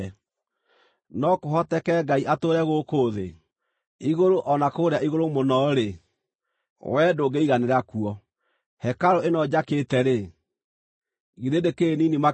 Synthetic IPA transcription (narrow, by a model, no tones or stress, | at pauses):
nɔkoɦɔtɛkɛɡaiʔatoɾɛɣokoːðḛ | iɣoɾoʔɔnakoːɾeaiɣoɾomonɔɾe | wʔɛdoɡeiɣaneɾakuɔ | hɛkaɾoenɔd͡ʒakeːtɛɾe | ɣiɾedekeninima